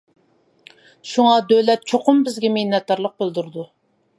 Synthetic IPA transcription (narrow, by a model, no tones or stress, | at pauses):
ʃuŋɑd̪øwlɛt̪̚t͡ʃʰoqʰʊmbɪzɡʲɛmenɛt̪̚kɑɾlˠəq̚bɪlˠd̪uɾd̪u